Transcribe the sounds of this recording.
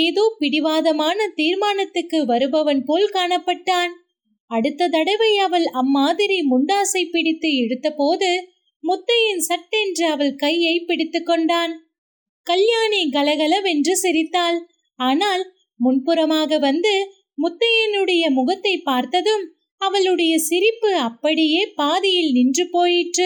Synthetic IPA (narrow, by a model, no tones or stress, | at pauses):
eːðoːpɪɽɪʋaːðɐmaːnɐt̪iːɾmaːnɐt̪ːɯkːɯʋɐɾɯbɐʋɐnpoːlkaːɳɐpːɐʈːaːn | ɐɽɯt̪ːɐt̪ɐɽɐɪʋɐɪɐʋɐlɐmːaːðɪɾimʊɳɖaːsɐɪpːɪɽɪt̪ːɯɛɽɯt̪ːɐpoːðɯ | mʊt̪ːɐjɪnsɐʈːɛndrɯɐʋɐlkɐɪjɐɪpːɪɽɪt̪ːɯkːɔɳɖaːn | kɐljaːniɡɐlɐɣɐɭɐʋɛndrɯsɪɾɪt̪ːaːl | aːnaːl | mʊnpɯɾɐmaːɣɐʋɐnd̪ɯ | mʊt̪ːɐjɪnɯɽɐjɐmʊɣɐt̪ːɐɪpːaːɾt̪ɐðɯm | ɐʋɐɭɯɽɐjɐsɪɾɪpːɯɐpːɐɽɪjeːpaːðɪjɪlnɪndrɯpoːjɪʈrɯ